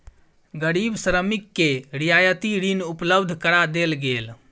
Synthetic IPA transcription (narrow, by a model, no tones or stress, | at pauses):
ɡəɾibsɾəmikːeɾijajət̪iɾinupləbd̪ʱkəɾad̪elɡel